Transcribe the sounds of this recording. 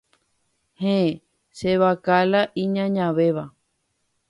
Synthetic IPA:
hẽe | ʃeβakalaʔĩɲãɲãʋeʋa

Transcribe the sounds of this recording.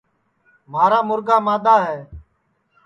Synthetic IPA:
maːɾaːmʊɾɡaːmaːd̪aːɦɛː

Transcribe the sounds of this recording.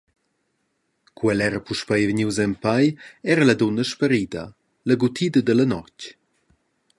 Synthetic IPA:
kwɛlɛɾəpuʃpajvəɲiwzɛmpajɛɾəlɐd̪onəʃpəɾid̪ə̰ | ləɡut̪ʰid̪əd̪əlɐnɔc

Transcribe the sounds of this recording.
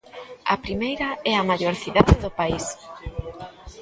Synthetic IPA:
ɐ̰pɾimejɾɐɛɐmaʎoɾθiðaðɪðʊpais

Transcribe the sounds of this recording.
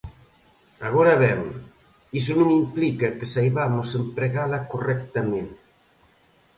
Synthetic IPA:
aɣ̞oɾaβɛm | is̬onomimplikakəsajβamosempɾeɣalakorɛk̚t̪amẽn

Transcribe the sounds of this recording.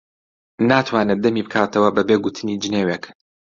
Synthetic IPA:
naːt̪ʰwaːnɛd̪ɐmiːbɨkʰaːt̪ʰɐwɐbɐbeɡut̪ʰɨniːd͡ʒɨneːweːk

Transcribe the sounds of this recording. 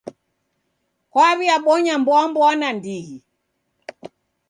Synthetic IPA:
kwaβiaɓɔɲambɔambɔanandihi

